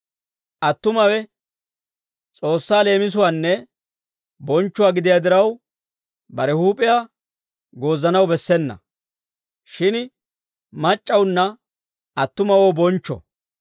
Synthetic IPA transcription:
ʔɐt̪ːʊmɐwɛ | t͡sʼo̞ːsːaːle̞ːmɪs̬ʊwaːnːɛ | bɔnt͡ʃːʊwaːɡɪd̪ɪjaːd̪ɪɾɐw | bɐɾɛhuːpʼɪjaː | ɡo̞ːzːɐnɐwbɛsːɛnːɐ̰ | ʃɪn | mɐt͡ʃʼːɐwnːɐ | ɐt̪ːʊmɐwoːbɔnt͡ʃːɔ̰

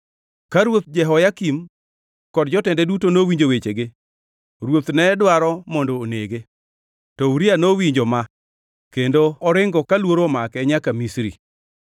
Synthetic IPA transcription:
kaɾwot̪̚d͡ʒɛɦɔjakim | kɔdd͡ʒɔtɛndɛdutonowiɲd͡ʒowet͡ʃeɡe | ɾwot̪nɛdwaɾɔmɔndoːneɡe | tɔuɾianowiɲd͡ʒoma | kendoɔɾɪŋɡɔkalwoɾomakɛɲakamisɾḭ

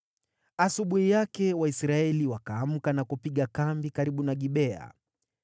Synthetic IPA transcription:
asuɓuhijakɛwaisɾaɛliwakaːm̩kanakupiɠakambikaɾiɓunaɠiɓɛa̰

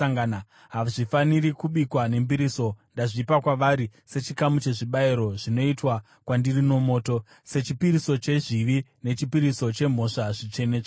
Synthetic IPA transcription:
aŋɡana | ɦaʐifaniɾikuɓikwane̞mbiɾiso̞ndaʐipakwaʋaɾise̞t͡ʃikamut͡ʃe̞ʐiɓaiɾo̞ʐino̞itwa | kwandirino̞mo̞ːto̞ | se̞t͡ʃipiɾiso̞t͡ʃe̞ʐiʋine̞t͡ʃipiɾiso̞t͡ʃe̞m̤o̞ʂaʐit͡ʃe̞ne̞ːt͡ʃa

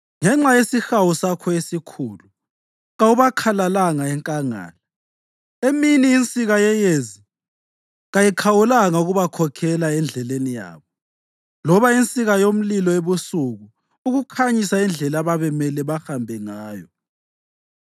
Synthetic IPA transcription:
ŋɛŋ͡ǁajesixawusakʰɔesikʰuːlu | ɣauβakʰalalaŋaɛŋkʼaŋa̰ːla | eminiːnt͡sʼiɣajɛjezi | ɣajikʰawulaŋauɣuβakʰɔkʰɛlaɛnd͡ɮʱɛlenija̰ːβɔ | lɔβaint͡sʼiɣajom̩lilɔeβusuɣu | uɣukʰaɲisaind͡ɮʱɛlaβaβɛmɛlɛβaxambʱɛŋaːjɔ

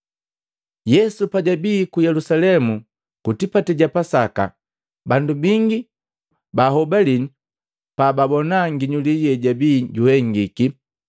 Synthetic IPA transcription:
jɛsupaɟabiːkujɛlusalɛmu | kutipatɛɟapasaka̰ | bandubiŋɡi | baɦɔbalini | paːbabɔnaŋɡiɲuliɟɛɟabiːɟuhɛŋɡiki

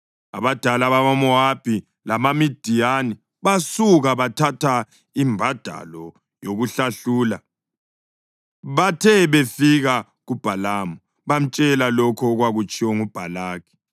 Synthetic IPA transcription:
a̰βad̥ʱalaβaβamɔab̥ʱi | lamamid̥ʱijani | βasuɣaβatʰatʰa | imbʱad̥ʱa̰lɔ | joɣuɬaɬuːla | βatʰɛβefiɣa | ɣub̥ʱalaːmɔ | βam̩t͡ʃʼɛlalɔkʰɔɣwaɣut͡ʃʼiwɔŋub̥ʱalaːkʰɛ̥

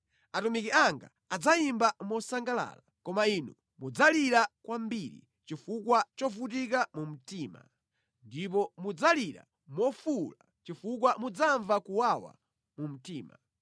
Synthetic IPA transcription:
atumikiaŋɡa̰ | ad͡zaimbamɔsaŋɡala̰ːlakɔmainṵ | mud͡zaliɾakwambiɾḭ | t͡ʃifukwat͡ʃɔvut̬ikamum̩tiːma̰ | ndip̬ɔmud͡zaliɾa̰ | mɔfula | t͡ʃifukwamud͡zaɱvakuwawa̰ | mum̩tiːma̰

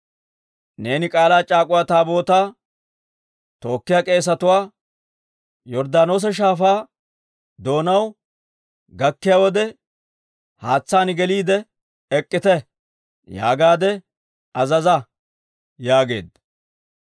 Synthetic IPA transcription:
ne̞ːnɪkʼaːlaːt͡ʃʼaːkʼʊwaːt̪aːbo̞ːt̪aː | t̪o̞ːkːɪjaːkʼe̞ːs̬ɐt̪ʊwaː | jɔɾd̪aːno̞ːs̬ɛʃ̬aːfaː | d̪o̞ːnɐw | ɡɐkːɪjaːwɔd̪ɛ | haːt͡sːaːnɪɡɛliːd̪ɛ | ɛkʼːɪt̪ɛ | ja̰ːɡaːd̪ɛ | ɐzɐzɐ | jaːɡe̞̰ːd̪ːɐ

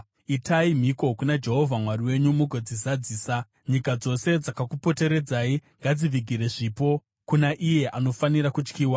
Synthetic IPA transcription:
itaim̤iko̞kunad͡ʒe̞ɦo̞vʱamwaɾiwe̞ɲumuɡʱod͡zizad͡ziːsa | ɲikad͡zo̞se̞d͡zakakupo̞te̞ɾe̞d͡zaːiŋɡad͡ziʋiɡʱiɾe̞ʐiːpo̞ | kunaʔije̞ʔano̞faniɾakut͡ʃkiːwa

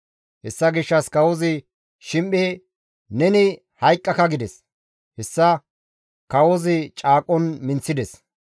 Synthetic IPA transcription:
hɛsːɐɡɪʃːɐskɐwɔzɪ | ʃɪmʔʼe | nɛnɪ | hɐjkʼːɐkɐɡɪd̪ɛs | hɛsːɐ | kɐwɔzɪt͡ʃʼaːkʼːɔnmɪnt͡sːɪd̪ɛs

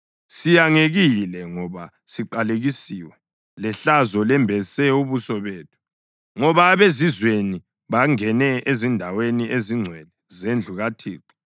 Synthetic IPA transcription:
sijaŋeɣilɛŋɔβa | siǃaleɣisiwɛ | lɛɬazɔlɛmbʱɛsɛuβusɔβeːtʰu̥ | ŋɔβaβezizweni | βaŋɛnɛezindʱaweniʔeziŋ͡ǀʱwɛlɛzend͡ɮʱuɣatʰḭːǀi̥

